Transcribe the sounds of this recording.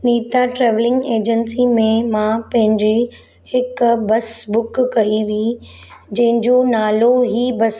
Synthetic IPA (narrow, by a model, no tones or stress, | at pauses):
niːt̪aʈɾɛːʋlɪ̃ŋɡeːd͡ʑənsimẽmãpɐ̃ɦɪ̃ɲd͡ʑi | hɪkbɐsbʊkːɐiʋi | d͡ʑɐ̃ɦɪ̃ɲd͡ʑonaːloɦiːbɐs